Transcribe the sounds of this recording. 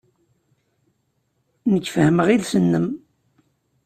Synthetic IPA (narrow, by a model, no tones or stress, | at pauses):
nəçːfəhəməʁilsənːəm